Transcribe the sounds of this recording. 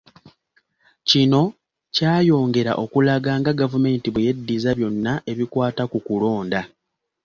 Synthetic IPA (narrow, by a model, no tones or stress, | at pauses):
cino̞ | caːjo̞ːŋɡe̞ɾa̰ʔo̞kulaɡaːŋɡaɡavume̞ːntiβweje̞dːizaβjo̞nːaʔe̞βikwaːtakukulo̞ːnda